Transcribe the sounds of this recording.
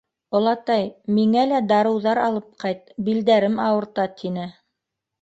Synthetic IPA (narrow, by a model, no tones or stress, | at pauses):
ŏlˠɑt̪ɑjmiŋælæd̪ɑɾɤ̆wðɑɾɑlˠɤp̚qɑjt̪̚bild̪æɾɘmɑwɤ̆ɾt̪ɑt̪ʰinɘ